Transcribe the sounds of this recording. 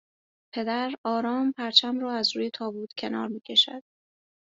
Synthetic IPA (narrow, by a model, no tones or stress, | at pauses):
pʰe̞d̪æɾɒːɾɒːmpʰæɾt͡ʃʰæmrɒːæzɾuːje̞t̪ʰɒːbuːt̪ʰcʰe̞nɒ̰ːɾmiːcʰe̞ʃæ̰d̪̥